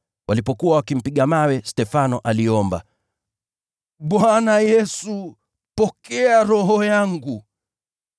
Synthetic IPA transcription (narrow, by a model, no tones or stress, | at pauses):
wʔalipɔkuwawakim̩piɠamawɛstɛfanɔʔaliɔmba̰ | ɓwanajɛsu | pɔkɛaɾɔɦɔjaŋɡu